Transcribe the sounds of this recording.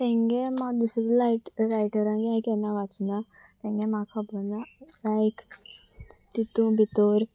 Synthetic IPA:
t̪ɛ̃ŋɡemad̪usɾilaiʈɾajʈəɾãɡãkɛnaʋat͡suna | t̪ɛ̃ŋɡemakʰabənaɾajk | t̪it̪ũbʱit̪oɾ

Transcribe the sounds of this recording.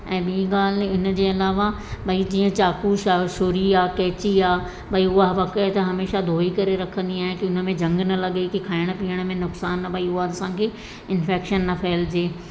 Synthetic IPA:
ɛ̃ːɓiɡaːlɪn̆d͡ʑeːɐlaːʋa | bʱɐid͡ʑiːə̃t͡ɕaːkuʃaʃʊːɾiaːkɛːt͡ɕiaː | bʱɐiʊɦaʋɐkət̪ɐɦɐmeːʃad̪ʱoːikɐɾeɾɐkʰə̃nd̪iaːɦɪ̃kiʊnə̆mẽd͡ʑɐ̃ŋɡnɐlɐɠekikʰaːɪɽ̃piːəɽ̃mẽnʊksaːnːɐbʱɐiʊɦaɐsãːkʰe | ɪnfeːkʃənːɐfʰɛːɪld͡ʑeː

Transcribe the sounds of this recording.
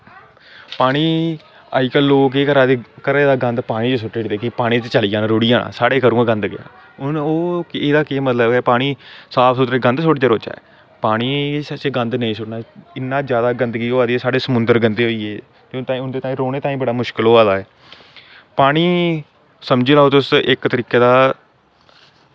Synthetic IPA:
paːɽ̃iː | a̰ːikəlːoːk̬eːkəɾaːd̪eːkəɾeːd̪aːɡə̃nd̪paːɽ̃ĩːt͡ʃsʊʈːeːɽd̪eːkɪpaːɽĩːt̪et͡ʃəliːãːnãːɾoːɽiːãːnã̰ːsaːɽeːkəɾũːɡə̃nd̪ɡɪja̰ː | ʊnoːkeːd̪aːkɪmət̪ləbɛːpaːɽ̃iːsaːpʰsʊt̪ɾeːɡə̃nd̪soːɽiːt͡ʃeɾoːt͡ʃa̰ːɛ̰ː | paːɽ̃iːsət͡ʃeːɡənd̪nəĩːsʊɽnaːɪnːãːzjaːd̪aːɡənd̪ɡiːoːaːd̪iːɛːsaːɽeːsəmʊnd̪əɾɡənd̪eːɦoːiːeː | t̪eːʊnt̪aːĩːʊnd̪eːt̪aːĩːɾoːneːt̪aːĩːbəɽaːmʊʃkɪlɦoːaːd̪aːɛː | paːɽ̃iː | səmd͡ʒeːlaːoːt̪ʊsɪkt̪əɾiːkeːd̪aː

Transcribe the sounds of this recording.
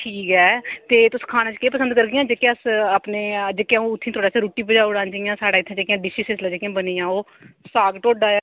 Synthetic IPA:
ʈʰiːkɛːt̪eːt̪ʊskʰaːnãːt͡ʃkeːpəsənd̪kəɾɡɪjãːd͡ʒeːkeəsaːpneːd͡ʒeːkãʊt̪ʰːĩːt̪ʰoːɽaːsaɾuːʈiːbəd͡ʒaːʊɽãːɲd͡ʒɪːjãːsaːɽaːɪt̪ʰːãd͡ʒeːkɪjãːɖɪʃiːsɪːslaːd͡ʒeːkɪãːbəniːjãːoː | saːɡʈoːɖaː

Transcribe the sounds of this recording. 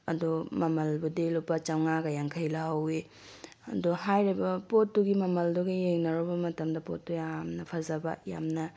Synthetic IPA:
ɐdumɐmɐlbudelopːɐt͡ʃɐmŋaɡɐjaŋkʰɐjlɐhɐwe | ɐ̰duhajɾibɐpotːuɡimɐmɐlduɡɐjeŋnɐɾɐbɐmɐtɐmdɐpotːujamnɐpʰɐzɐbɐ̰ja̰mnɐ

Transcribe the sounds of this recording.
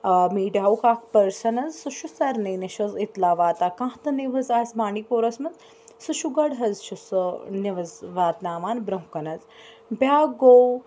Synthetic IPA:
miːɖaukaːk̚ʰpəɾsɐnɐzsuʃusɐɾneniʃɐzit̪laːʋaːt̪akãːɦt̪ɐniʋɐzaːsmaːniːpoːɾɐsmɐd͡z | suʃuɡɐɽɦɐzt͡ʃʰusniʋɐzʋaːt̪naːmaːnbɾɐɦkɐnɐz | bjaːɡow

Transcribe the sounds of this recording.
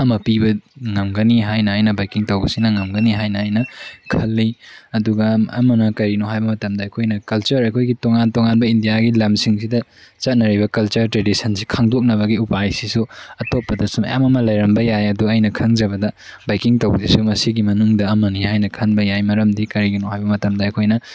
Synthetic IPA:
ɐmɐpibɐŋɐmɡɐniɦajnɐːjnɐbajkiŋtɐwbɐsinɐŋɐmɡɐniɦajnɐːjnɐkʰɐlːiɐduɡɐɐmɐnɐkɐɾinoɦajbɐmɐtɐmdɐɐjkʰojnɐkɐlt͡ʃɐɾɐjkʰojɡitoŋantoŋanbɐindijaɡilɐmsiŋsidɐt͡ʃɐt̚nɐɾiβɐkɐlt͡ʃɐɾtɾedisɐnsi̥kʰɐŋdok̚nɐβɐɡiupajsisuɐtopːɐdɐsumja̰mɐmɐlɐjɾɐmbɐjajɐduɐjnɐkʰɐŋzɐbɐdɐbajkiŋtɐwbɐsisumɐsiɡimɐnuŋdɐɐmɐnihajnɐkʰɐnbɐjajmɐɾɐmdikɐɾiɡinoɦajbɐmɐtɐmdɐːkʰojnɐ

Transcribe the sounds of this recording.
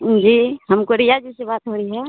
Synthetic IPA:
d͡ʒiːɦɐmkoɾijad͡ʒisebaːt̪ɦoːɽiɦɛː

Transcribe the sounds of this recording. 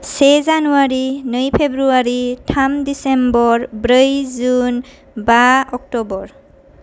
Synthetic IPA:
sɛzanuaɹinɯjpʰebɹuaɹitʰamdisembɔɹbɹəjzun | baɔk̚tɔbɔɹ

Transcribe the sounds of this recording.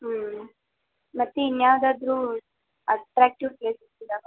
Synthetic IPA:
mɐt̪ːenjaːʋd̪aːd̪ɾuː | ɐʈɾaːk̚ʈiʋpleːsiid̪aɡ

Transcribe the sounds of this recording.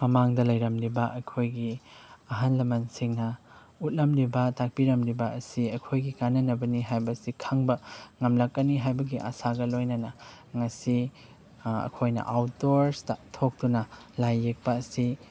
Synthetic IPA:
mɐmaŋdɐlɐjɾɐmlibɐʔɐkʰojɡiɐɦɐnlɐmɐnsiŋnɐ | ut̚lɐmlibɐtak̚piɾɐmɾibɐɐsiɐkʰojɡikanːɐnɐbɐniɦajbɐsikʰɐŋbɐŋɐmlɐkːɐniɦajbɐɡiʔa̰saɡɐlojnɐnɐ | ŋɐsi | ɐ̰kʰojnɐ̰ʔawt̚doɾsdɐtʰok̚tunɐ | lajːek̚pɐːsi

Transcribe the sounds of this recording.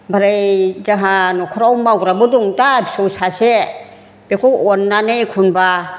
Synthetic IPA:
baɾejd͡ʒaɦanukʰɔɾawmawkɾabuduŋtabisosʰasɛ | pekuɔnːanejkʰunba

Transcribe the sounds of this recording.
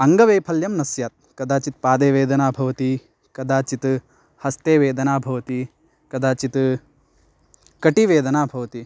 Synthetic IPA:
ɐŋɡɐʋeːpʰɐljɐmnɐsjaːt̪̚kɐd̪aːt͡ʃit̪̚paːd̪eːʋeːd̪ɐnaːbʱɐʋɐt̪i | kɐd̪aːt͡ʃit̪ | hɐst̪eːʋeːd̪ɐnaːbʱɐʋɐt̪i | kɐd̪aːt͡ʃit̪ | kɐʈiʋeːd̪ɐnaːbʱɐʋɐt̪i

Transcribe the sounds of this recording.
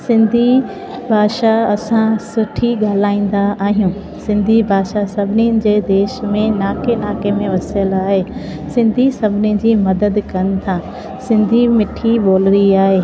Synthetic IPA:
sɪ̃nd̪ʱi | bʱaːʃaɐsãsʊʈʰiɠaːl̤aːĩːn̆d̪aaːɦijũː | sɪ̃nd̪ʱibʱaːʃasɐbʱɪninɪ̆d͡ʑeːd̪eːʃmẽnaːkenaːkemẽʋɐsiəlaːɦeːsɪ̃nd̪ʱisɐbʱɪnĩ̆d͡ʑiːmɐd̪əd̪kɐnɪ̆t̪ʰa | sɪ̃nd̪ʱimɪʈʰiɓoːlɾiaːɦeː

